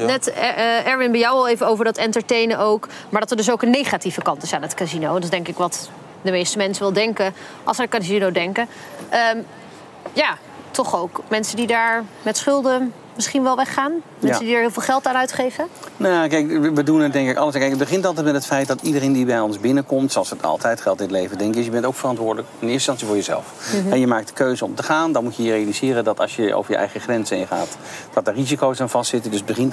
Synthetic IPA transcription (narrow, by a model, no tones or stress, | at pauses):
nɛtɛɹvɪnbɛjɔwɑlˠejvənowvəɹdɑtɛntəɹtejnəowk | maːɹdɑtəɹdɵs̬owkənːejχatifəkɑntɪsaːnɦətkazinowndtɪzdɛŋkɪkʋɑt | dəmejstəmɛnsəʋɪlˠdɛŋkə | ʔɑ̰lˠsətkazinowdɛŋkə | ʔəːm | jaː | tɔχowkmɛnsəndidaːɹmɛtsχʏlˠdə | mɪsχinʋɛlˠʋɛχaːnmɛnsəndidəɹɦɪːlˠvɪːlˠχɛlˠtaːnœɥtχejvənajkɛjkəʋədunədɛŋkɪkɑ̰ləskɛjkət̚bəχɪntɑlˠt̬ɛjtmɛtɦətfɛjt̚dɑtidərejndibɛjɔnzbɪnəkɔmtsoɑlˠsətɑ̰lˠtʰɛjtχɛlˠtɪntlejvədɛŋkɪsjəbɛntowkfərɑntʋʊːdələkɪnɪːɹstɑnsivʊːɹjəzɛ̰lˠfɦɛjəmaːk̚tdə̥køɥzəɔ̰mtəχaːndɑnmucjəjərejalizɪːrəndɑtɑ̰lˠsjəʔo̰wvəɹjə̰ʔɛ̰jχəχrɛnzəɪnχa̰ːt | d̥ɑt̚ərizikowsanvɑstsɪtəndɵsbəχɪnt